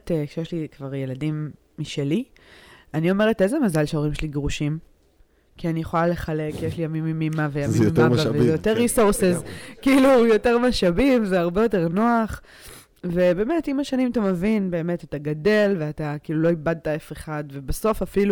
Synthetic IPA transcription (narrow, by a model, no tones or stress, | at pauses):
tekʃejeʃlikvaʁje̞ladimː | iʃeli | anio̞me̞ʁetezemazalʃeoʁimʃeliɡʁuʃim | kianijeχo̞lale̞χale̞kːijeʃlijamimːimːimavejaijimaavezjoteʁːisuʁsezkiilujo̞te̞ʁmaʃabimzeaʁbe̞jote̞ʁnoaχ | ve̞be̞ːme̞timaʃanĩmatamevinbe̞ːme̞tataɡade̞lveatakiːluloibad̚taefeχadve̞baso̞fafilu